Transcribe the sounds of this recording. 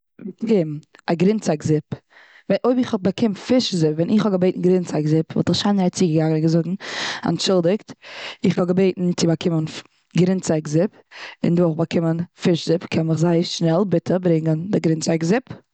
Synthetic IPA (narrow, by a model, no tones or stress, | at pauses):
kɪmʔaɡɾɪnt͡saɪkzɪp | vɛʔoɪbɪχhɔbakʰɪmtfɪʃzɪpvɛnʔɪχhɔɡəbeɪtn̩ɡɾɪnt͡saɪkzɪpvɔ̰lˠtəχʃaɪnɾat͡siːɡəɡaŋənɪnɡəzʊɡŋ̩a̰nʃɪlˠdɪktɪχvɔɡəbeɪtn̩t͡sɪbakʰɪmən | ɡɾɪnt͡saɪkzɪp | ɪ̰nduːχbakʰɪmənfɪʃzɪpkʰɛnmɪχzaɪəʃnɛlˠbɪtʰəbɾɪŋəndɪɡɾɪnt͡saɪkzɪp